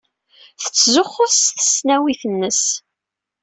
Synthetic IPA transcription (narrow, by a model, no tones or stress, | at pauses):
θə̥t͡sːzʊχːʊsθə̥snæwiθənːəs